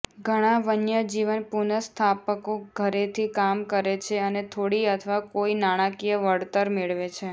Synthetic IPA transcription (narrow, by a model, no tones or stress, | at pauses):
ɡʱəɽ̃ãʋənjəd͡ʒiʋənpunəst̪ʰapəkoɡʱəɾet̪ʰikamkəɾet͡ʃʰeənet̪ʰoɽiət̪ʰəʋakoinaɽ̃ãkijəʋəɽt̪əɾmeɭʋet͡ʃʰe